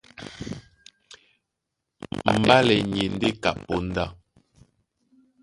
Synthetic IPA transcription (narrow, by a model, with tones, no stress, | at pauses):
m̩˨ba˦lɛ˨ɲe˨n̩˦de˦ka̰˨pːɔ˦n̩˦da˦˨